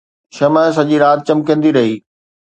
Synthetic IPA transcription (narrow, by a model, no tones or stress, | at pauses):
ʃɐmə̃sɐʄiɾaːt̪̚t͡ɕɐ̃mkə̃ːn̆d̪iɾɐɦiː